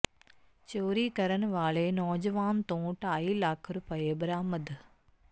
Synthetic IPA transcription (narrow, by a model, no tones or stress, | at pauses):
t͡ʃoːɾiːkɐɾɐnʋaːɭeːnɔːd͡ʒɐʋaːnt̪õːʈajlaːkʰɾupɐeːbɾaːmɐd̪